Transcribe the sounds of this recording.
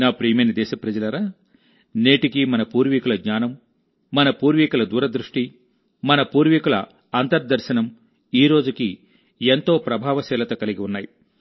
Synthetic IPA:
naːpɾiːmenid̪ɛːʃɐpɾɐd͡ʒɐlɐɾaː | neːʈikimɐnɐpuːɾʋikulɐɡɲaːnɐmː | ɐnɐpuːɾʋikulɐd̪uːɾɐd̪ɾuʂʈi | mɐnɐpuːɾʋikulɐ̰ | ɐnt̪ɐɾd̪ɐɾʃɐnɐm | iːɾo̞ːd͡ʒuki | ent̪o̞ːpɾɐbʱaːʋɐsɛːlɐt̪ɐkɐliɡiunːaːji

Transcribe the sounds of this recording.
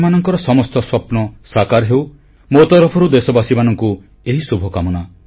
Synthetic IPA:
manɔŋkɔɾɔsɔmɔst̪ɔswɔpnɔsakaɾɦew | mot̪ɔɾɔpʰɔɾud̪esɔbasimanɔŋku | eɦisubʱɔkamɔna

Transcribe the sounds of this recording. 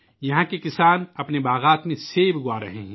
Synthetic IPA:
jɐɦãkekɪsaːnɐpnebaːɣaːt̪mẽseːbɡwaːɾɐ̰ɦẽɦɛ̃

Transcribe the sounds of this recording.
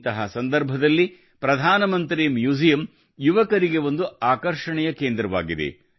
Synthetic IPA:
t̪ɐɦɐsɐnd̪ɐɾbʱɐd̪ɐlːi | pɾɐd̪ʱaːnɐmɐnt̪ɾimjuːd͡ʒijɐm | juʋɐkɐɾiɡe̞ʋo̞nd̪uaːkɐɾʂɐɳɛjɐkeːnd̪ɾɐʋa̰ːɡid̪ḛ

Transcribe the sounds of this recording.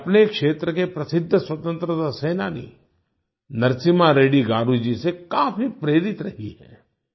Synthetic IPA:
ɐpnekʃeːt̪ɾəkepɾɐsɪd̪ʱːswɐt̪ə̃nt̪ɾət̪aseːnaːnḭ | nɐɾsɪmaɾeːɽiɡaːɾud͡ʒisekaːfipɾeːɾɪt̪ɾɐɦiɦɛ̰̃ː

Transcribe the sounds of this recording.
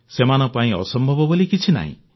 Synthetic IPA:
semanɔpaĩɔ̰sɔmbʱɔbɔbɔlikit͡ʃʰina̰ɦḭ̃

